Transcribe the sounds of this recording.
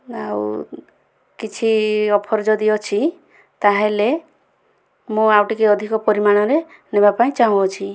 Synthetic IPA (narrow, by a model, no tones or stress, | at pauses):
aw̰ | kit͡ʃʰiɔpʰɔɾɔd͡ʒɔd̪iɔt͡ʃʰi | t̪aɦele | mũawʈikeɔd̪ʱikɔpɔɾimaɽ̃ɔɾe | nebapaĩt͡ʃaɦũɔt͡ʃʰi